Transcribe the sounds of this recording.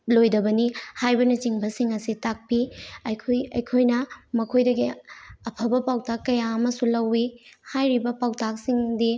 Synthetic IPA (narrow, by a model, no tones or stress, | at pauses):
lojdɐbɐnihajbɐnɐt͡ʃiŋbɐsiŋɐsitak̚piɐjkʰojɐjkʰojnɐmɐkʰojdɐɡiɐpʰɐbɐpawtakːɐjaɐmɐsulɐwihajɾibɐpawtak̚siŋdi